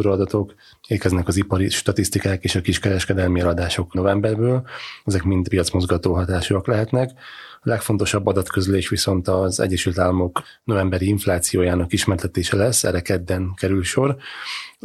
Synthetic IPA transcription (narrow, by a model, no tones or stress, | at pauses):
ɾoɒd̪ɒt̪o̞k | eːkɛznɛkɒzipɒɾiʃt̪ɒt̪ist̪ikaːkeːʃɒkiʃkɛɾɛʃkɛd̪ɛlmiɛlɒd̪aːʃo̞kno̞vɛmbɛrbøːlɛzɛkmint̪pijɒt̪smo̞zɡɒt̪oːlɦɒt̪aːʃuɒklɛɦɛt̪nɛkɒlɛkfo̞nt̪o̞ʃɒbːɒd̪ɒt̪køzleːʃʋiso̞nt̪ɒzɛ̰ɟːɛʃylt̪aːlːɒmo̞k | no̞vɛmbɛɾiiɱflaːt̪sijoːjaːnɒkiʃmɛrt̪ɛt̪eːʃɛlɛsːɛ̰ɾɛkɛd̪ːɛnkɛɾylʃo̞r